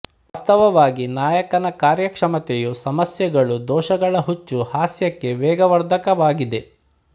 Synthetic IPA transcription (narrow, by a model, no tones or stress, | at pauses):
ʋɐst̪ɐʋɐʋaːɡinaːjɐkɐnɐkaːɾjɐkʂɐmɐt̪ejusɐmɐsjɐɡɐɭud̪ɔːʃɐɡɐɭɐɦut͡ʃːuhaːsjɐkːe̞ʋɛːɡɐʋɐɾd̪ʱɐkɐʋaːɡid̪e̞